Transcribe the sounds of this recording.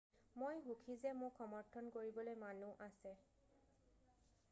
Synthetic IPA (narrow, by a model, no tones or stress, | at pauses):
mojɦukʰizɛmʊxɔmɔɹtʰɔnkoɹibɔlojmanuʔasɛ